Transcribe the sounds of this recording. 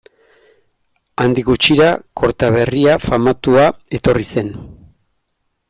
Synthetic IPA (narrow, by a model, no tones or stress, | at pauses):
and̪iɣut͡ʃiɾakʰo̞ɾt̪aβ̞e̞riafamat̪uae̞t̪o̞rise̞n